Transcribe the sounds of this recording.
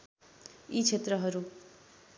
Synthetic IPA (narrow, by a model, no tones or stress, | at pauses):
it͡sʰet̪rʌɦʌɾu